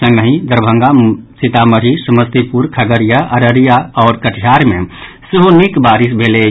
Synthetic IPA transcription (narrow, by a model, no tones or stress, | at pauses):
ə̃ŋɡnəɦĩd̪əɾbʱə̃ŋɡasit̪aməɾisuməst̪ipuɾkʰəɡəɾijaʔəɾəɾijaɔːɾkəʈʰjaːɾmḛ̃ | siɦonikbaːɾisbʱele